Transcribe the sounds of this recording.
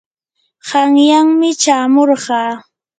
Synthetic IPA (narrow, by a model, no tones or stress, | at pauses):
ɢɑŋjaŋmɪt͡ʃaːmoɾɢɑː